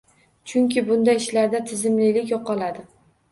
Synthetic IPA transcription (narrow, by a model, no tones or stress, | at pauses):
t͡ʃʰʊŋkʲɪbʊnd̪ajɪʃlaɾd̪at̪ʰɪzɪmlɪlɪkʲjɒqɒlˠad̪ɪ